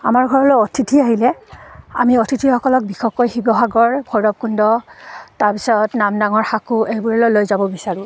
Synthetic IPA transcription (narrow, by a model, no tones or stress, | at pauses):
a̰maɹɡʱɔɹɔlɔɔtʰitʰiaɦilɛa̰miɔtʰitʰixɔkɔlɔk̚bixɔkːojxibɔɦaɡɔɹbʱɔjɹɔp̚kʰundɔtaɹpi̥sɔtnamdaŋɔɹxakuejbuɹɛlɔjlojzabɔbisaɹũ